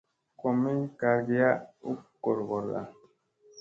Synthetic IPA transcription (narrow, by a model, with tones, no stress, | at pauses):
ko˨mi˦ka˨ɾɡi˨ja˦u˦ko˨ɾɡɔ˨ɾa̰˨